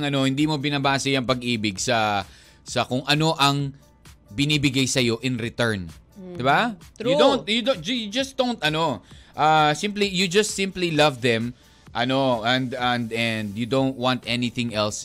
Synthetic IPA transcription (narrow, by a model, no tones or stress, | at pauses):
ŋɐno̞hɪnd̪iːmo̞bɪnɐbaːsɐjɐŋpɐɡʔiːbɪɡsɐ | sɐkʊŋɐno̞ʔɐŋ | bɪnibɪɡajsɐjo̞ʔɪnɾɪt̪ɛɹnd̪ɪbaʊdont̪̚jʊd̪od͡ʒjʊd͡ʒɐst̚d̪̥ow̃nt̪ɐno̞ʔɐsɪ̃mplijʊd͡ʒɐst̪sɪ̃mplilɐvðɛ̃m | ʔɐno̞ɛnd̪ɐnd̪ɛnd̪jʊd̪õwnt̪̚wɑ̃nt̪ʔɛnɪθɪ̃ŋɛls